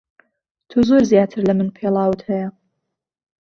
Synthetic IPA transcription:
t̪ʰuzoɾzjaːt̪ʰɨɾlɐmɨnpʰelˠɑːwɨt̪hɐjɐ

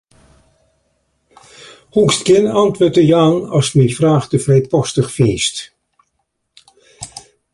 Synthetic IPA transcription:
hukstkɪnɑntʋoːtəjaːnɑsmifraːχdəfrɛjpɔstəχfeːst

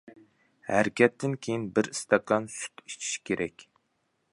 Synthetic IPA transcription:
hæɾkʲʰɛt̪ʰːɪnkʲʰejinbɪɾist̪ɑkɑnsy̥t̪i̥t͡ʃʰi̥ʃkʲʰeɾʔɛkʲ

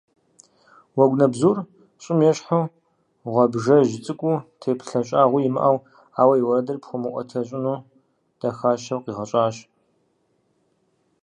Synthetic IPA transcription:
wɐɡʷnɐbzuːr | ɕʼɪmjɛɕħu | ʁʷɐbʒɐʒɪt͡sʼɨkʷʼutʰeːpʰɬɐɕʼaːʁʷʊjɪmɨ̰ʔɐw | aːwɐjiwɐɾɐdɐrpχʷʊmɨʔʷɔ̰tʰɐɕʼɪnuː | d̥ɐxaːʃɐwqiːʁɐɕʼaːɕ

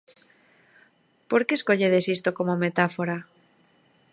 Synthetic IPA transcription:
poɾkeskoʎeðesist̪okomomet̪afoɾa

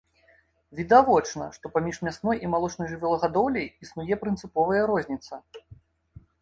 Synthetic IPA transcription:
vʲid̪avɔt͡ʂnɐ̰ʂt̪ɔpamʲiʂmʲasnɔjimalˠɔt͡ʂnɔjʐɨvʲɛlˠɐɣad̪ɔwlʲɛjisnujɛpɾɨnt̪sɨpɔvɐjɐɾɔzʲnʲit̪sɐ

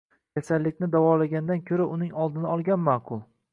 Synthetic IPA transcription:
kʲʰasalːɪkʲnɪd̪avɒlaɡʲand̪ankʲʰɵɾaʔʊnɪŋɒlˠd̪ɪnaɒlˠɡʲanmaːqʰʊlˠ

